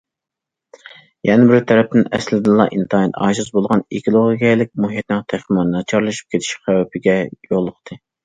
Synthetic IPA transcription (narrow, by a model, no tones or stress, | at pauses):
jɛnɪbɪɾt̪ʰɛɾɛp̚t̪ɪnɛ̰slɪd̪ɨnlˠɑ̰ʔint̪ʰɑnɛt̪ɑ̰ʒɨzbolˠʁɑnekʲʰlˠoʁɡʲɛlɪk̚ʲmuɦjɛt̪nɪŋt̪ʰæχmɑnnɑt͡ʃʰɑɾlˠɨʃy̥p̚kʲʰet̪ʰɪ̥ʃχæwɛpʰɪɡʲɛjoʁlˠːəqt̪ʰɨ